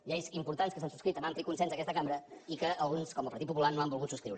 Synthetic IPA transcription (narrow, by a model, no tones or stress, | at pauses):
ʎɛjzimpuɾt̪anskəsansuskɾit̪əmbampɾit̪̚kunsɛnzəkɛst̪əkambɾəikəəlˠɣunskɔməpəɾt̪it̪pupulanoambulˠɣut̪suskɾiwɾ